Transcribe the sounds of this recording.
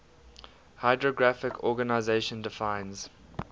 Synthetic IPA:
haɪdɹɔɡɹafɪkʰɔːɡanaɪzeɪʃə̃ndɪfãɪ̃nz̥

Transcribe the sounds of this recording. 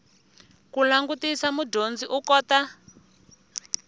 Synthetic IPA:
kulaŋɡutisamudond͡ziʔukɔːta

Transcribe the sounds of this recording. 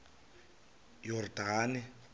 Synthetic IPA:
jɔrdʱaːnɪ

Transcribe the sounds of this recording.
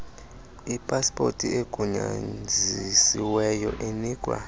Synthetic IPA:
ipʼaspʼo̰tʼieɡ̥ʱuɲa̰d͡zʱisiwɛjɔʔeniːkʼwa̰

